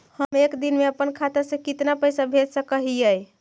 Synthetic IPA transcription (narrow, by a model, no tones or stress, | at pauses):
həmekd̪inmeəpənkʰat̪asẽkit̪napəjsabʱet̪səkəɦijəj